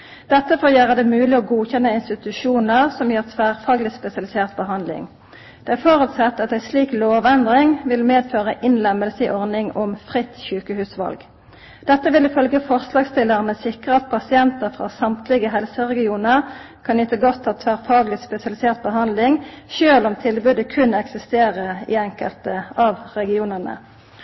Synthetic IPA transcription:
d̪̥ɛt̪ːəfoːjøːʁəd̪ɛmʉːlɪɔːɡuːçɛnːəɪnst̪ɪt̪ʉʃuːnəʁsɔmjøːʁt̪ʰʋæːʁfɑːɡlɪspɛsɪɑlɪseːʁt̪̚bəɦɑnlɪ̰ŋ | d̪̥ɛːæʁfoʁʉːt̪sɑt̪ːɑt̪æɪsliːkloːʋɛnd̪ʁɪŋʋɪlmeːd̪føːʁəʔɪnlɛmːəlsəɪʔɔʁnɪŋɔmfʁɪt̪ːçʉːkəhʉːsʋɑ̰lɡ | d̪̥ɛt̪ːəʋɪlɪfœlɡəfɔʁslɑːɡst̪ɪlːəʁənəsɪkʁəɑt̪̚pʰɑsɪɛnt̪əʁfʁɑ̰ːsɑmt̪lɪɡəɦɛlsəʁɛɡɪuːnəʁ | kʰɑnɪt̪əɡɔt̪ʰːɑt̪ʰʋæʁfɑːɡlɪspɛsɪɑlɪseːʁt̪̚bəɦɑnd̪lɪŋʃøːlɔmt̪ʰɪlbʉd̪əkʰʉnɛksɪst̪eːʁəɪ̰ɛŋkəlt̪əɑʋʁɛɡɪuːnəʁnə̰

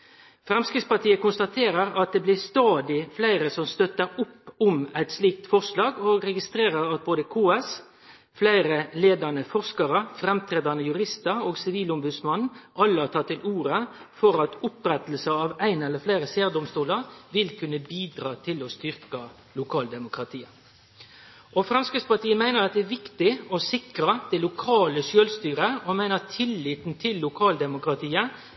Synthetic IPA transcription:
fʁɛmskɾɪt̪spɑʈ̪ʰiːəkʊnst̪ɑt̪ʰeːɾəɾɑt̪̚d̪eːblɪst̪ɑːd̪ɪflæɪɾəsɔmst̪œt̪ːəɾʊpːʊmæɪt̪sliːk̚t̪fɔʁslɑːɡoːɡʁɛɡɪst̪ʁeːʁəɾɑt̪̚boːd̪əkʰoːɛs | flæɪʁəleːd̪ɑnəfɔʁskɑɾəfɾɛmt̪ʰɾeːd̪ɑnəjʉʁɪst̪əʁoːɡsɪʋiːlʊmbʉd̪smɑnn̩ʔɑlːəɑːt̪ʰɑt̪ːɪlʔuːɾəfɔɾɑt̪ʊpɾɛt̪l̩səɑʋæɪnɛlːəɾfleːɾəseːɾd̪ʊmst̪uːləɾʋɪlkʰʉnːəbiːd̪ɾɑːt̪ʰɪlɔst̪ʏɾkɑ | lʊkʰɑːld̪ɛmʊkɾɑt̪ʰiːə | ʔɔfɾɑnskəspɑʈiːəmæɪnəɾɑt̪̚d̪ɛæʋɪkt̪ɪɔsɪkɾɑd̪̥ɛlʊkʰɑːləsøːlst̪yːɾəɔmæɪnət̪ʰɪlːiːt̪n̩t̪ʰɪlːʊkʰɑːld̪ɛmʊkɾɑt̪ʰiːə

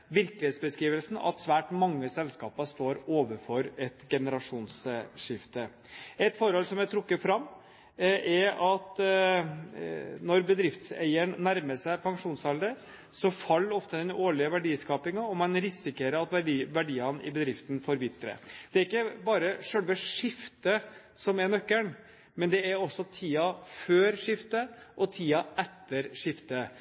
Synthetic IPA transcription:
ʋɪɾkəlɪheːt̪sbəskɾiːʋəlsn̩ɑ̰t̪sʋæːʈmɑŋːəsɛlskɑːpɑst̪oːɾoːʋəɾfɔɾɛt̪ɡɛnəɾɑʂuːnsʂɪft̪ə | ɛt̪fɔɾhɔlsɔmjæɪt̪ʰɾʊkːəfɾɑmː | ʔɛɑt̪ | nɔɾbəd̪ɾɪft̪sæ̰ɪəɳnæɾməʂæɪpʰɑŋʂuːnsɑld̪ə | sɔfɑlːɔft̪əd̪ɛnoːɭɪəʋæɖiːskɑːpɪŋɑɔmɑnɾɪsɪkəɾəɑt̪ʋɖiːʋæɖiːɑnʔɪ̰bəd̪ɾɪft̪n̩fɔɾʋɪt̪ːɾə̰d̪̥ɛæɾɪkːəbɑːɾəʂœlʋəʂɪft̪ə | sɔmɛɾnœkːəɳ | mɛnd̪ɛæɾɔsːɔt̪ʰiːɑføːɾʂɪft̪əʔɔt̪ʰiːɑʔɛt̪ːəɾʂɪft̪ə

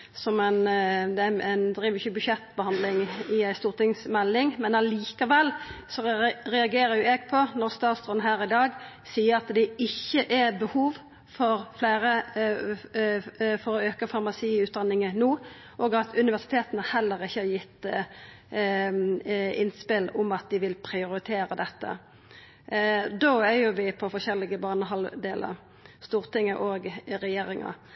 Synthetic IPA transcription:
sɔmænd̪ɛæænd̪ɾiːʋɪçəbʉʃɛt̪ːbəhɑnd̪lɪŋɪæɪst̪uːʁt̪ɪŋsmɛlːɪŋmɛnɑliːkɑʋɛlːsɔɾɛɑɡeːɾəɾjʊɛːɡ̚pʰɔnɔʁst̪ɑːt̪sd̪ʁɔnɦæːɾɪd̪ɑːɡ | siːəɾɑt̪d̪ɛɪçːəʔæbəhuːʋ | fɔʁflæːɾə | fɔɾɔøːkəfɑʁmɑsiːʉːt̪̚d̪ɑnːɪŋənuː | ʔɔːɡɑt̪ʰʉnɪʋæʁsɪ̥t̪ʰeːt̪ənəhɛlːəʁɪçːəhɑɾjɪt̪ː | ɪnspɪlʊmɑt̪̚d̪ɪʋɪlpʰʁɪʊɾɪt̪ʰeːɾəd̪ɛt̪ːə̰ | d̪oːæjʊʋɪpʰɔfɔʃɛlːɪɡəbɑːnəɦɑld̪eːlʔə̰ɾ | st̪uːʁt̪ɪŋːəʔoːɡɾɛjeːɾɪŋə̰

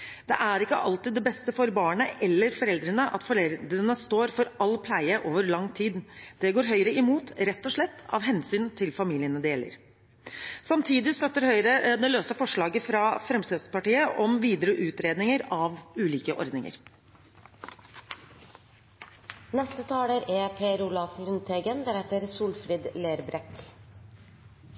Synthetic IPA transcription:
d̪̥ɛ̰ʔæɾɪkːəʔɑlt̪ɪːd̪ɛbɛst̪əfɔɾbɑːɳəʔɛlːəɾfɔɾɛld̪ɾənəʔɑ̰t̪fɔɾɛd̪ɾənəst̪oːɾfɔɾɑlːpʰlæɪəʔoːʋəɾɭɑŋːt̪ʰiːd̪d̪̥ɛɡoːɾɦœʏɾəɪmuːt̪ɾɛt̪ːɔʂɭɛt̪ːɑ̰ʋɦɛnsyːnt̪ʰɪlfɑmiːlɪənəd̪eːlə̰ɾ | sɑmt̪ʰiːd̪ɪst̪œt̪ːəɾhœʏɾəd̪ɛløːsəfɔʂɭɑːɡəfɾɑfɾɛmsəspɑʈiːəʔɔmʋiːd̪əɾəʔʉːt̪ɾeːd̪nɪŋəɾɑʋʉːliːkəʔɔ̰ɾd̪nɪŋə̰ɾ | nɛst̪ət̪ʰɑːləɾeːpʰeːɾulɑflʉnt̪ʰeːɡənd̪əɾhɛt̪əɾsuːlfɾiːd̪leːɾbɾɛt̪

